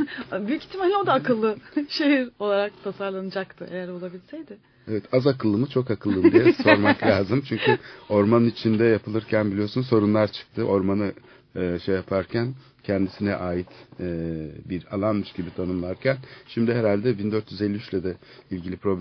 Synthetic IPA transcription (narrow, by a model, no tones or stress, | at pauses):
byjyci̥t̪ʰːimalʲod̪aːkɯlˠːɯʃeɦiɾo̞lˠaɾak̚t̪ʰasaɾlˠanɯd͡ʒakt̪ʰɯʔejæɾo̞lˠabilʲisejd̪ɪ | evɛt̪ʰazakɯlˠːɯmɯt͡ʃʰo̞kakʰɯlˠːɯmd̪ijɛso̞ɾmakllʲaːzɯmt͡ʃʰyɲcʰyo̞ɾmanɯnit͡ʃʰind̪ɛjapʰɯlˠɯɾcʰænbilʲijo̞ɾsunso̞ɾunlˠaɾt͡ʃʰɯ̥k̚t̪ʰɯʔo̞ɾmanɯ | ɯːʃejapʰaɾcʰæn | cʰɛnd̪isinɛʔaːjit̪ː | biɾa̰lˠanmɯʃɟibit̪ʰanɯmlˠaɾcʰænʃimd̪ɪɦeɾalʲd̪ɛbind̪øɾt̪ʰjyzelʲːiyt͡ʃlʲɛd̪ɛ | ilʲɟilʲipʰɾo̞bl